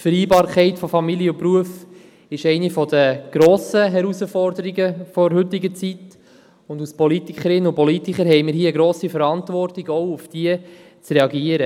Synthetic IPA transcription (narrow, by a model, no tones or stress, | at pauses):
fəɾiːbɑːɾkχɛɪtfɔfɑmiljəʊpruəf | ɪʃɛɪnifɔd̥əɡ̥ɾoːsəɦɛɾusəfɔɾdəɾiɡəfɔɾɦɵt̪ɪɡət͡sit | ʊnduspɔlitikəɾɪnːəʊpɔlitikəɾɦɛɪməɾhiəəɡɾoːsifəɾɑntvɔrtɪɡɔʊufd̥iə | t͡srɛɑɡiəɾə